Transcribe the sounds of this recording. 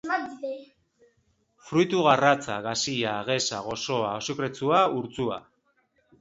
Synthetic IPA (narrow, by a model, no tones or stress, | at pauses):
fɾujt̪uɣarat͡saɣasiaɣe̞saɣo̞so̞aosukɾe̞t͡suauɾt͡sua̰